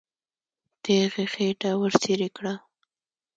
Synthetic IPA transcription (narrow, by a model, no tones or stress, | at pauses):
t̪eɣexeʈawəɾseɾekɽa